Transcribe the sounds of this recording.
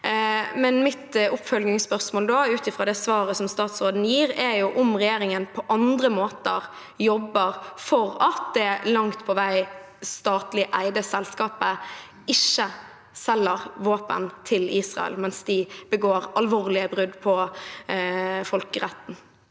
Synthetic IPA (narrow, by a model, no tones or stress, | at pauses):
mɛnmɪt̪ʊpːfœlɡ̪ɪŋspœʁsmoːld̪oːʉːt̪ɪfʁɑːd̪ɛsʋɑːɾəsɔmst̪ɑːt̪sɾoːd̪n̩jiːɾɛɾjʊʔʊmʁɛjeːɾɪŋənpʰɔʔɑnd̪ɾəmoːt̪əɾ | jɔbːəɾfɔɾɑt̪d̪ɛlɑŋt̪pʰɔʋæɪ | st̪ɑːt̪lɪʔæɪd̪əsɛlskɑːpə | ɪʃːə | sɛlːəɾʋoːpə̰nt̪ʰɪliːsʁɑ̰ɛ̰lmɛnsd̪ɪb̥əɡoːɾɑlʋoːʁlɪəbɾʉd̪pʰɔ | fɔlkəɾæt̪ːn̩